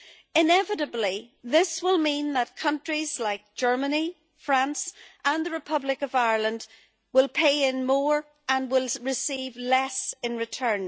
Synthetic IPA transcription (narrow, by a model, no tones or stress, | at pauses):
ɪ̃nɛvɪɾəbliðɪswɪlˠmĩnðət̚kʰʌ̃nt͡ʃɹ̥iz̥laɪk̚d̥ʒ̥ɜ˞məni | fɹãnsʔə̃nðəɹɨpʰʌblɪkʌvaɪəɹlˠə̃nd | wɪlˠpʰeɪɪ̃nmɔɹ | ə̃nwɪlˠɹɪsivlɛsɪ̃nɹɨtʰɜ̃˞n